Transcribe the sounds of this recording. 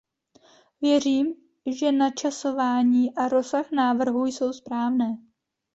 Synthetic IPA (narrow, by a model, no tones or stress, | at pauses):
vjɛr̝iːm | ʒɛnat͡ʃaso̞vaːɲiːʔaɾo̞saxnaːvr̩ɦujso̞wspɾaːvnɛː